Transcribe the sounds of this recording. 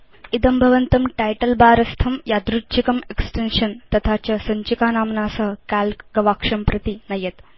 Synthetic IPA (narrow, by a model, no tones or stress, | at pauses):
id̪ɐmbʱɐʋɐnt̪ɐmʈajʈɐlbaːɾɐst̪ʰɐmjaːd̪ɾut̪ːt͡ʃʰikɐmeksʈenʂɐnt̪ɐt̪ʰaːt͡ɕɐsɐɲt͡ʃikaːnaːmnaːsɐɦɐkaːlkɡɐʋaːkʂɐmpɾɐt̪inɐjɐt̪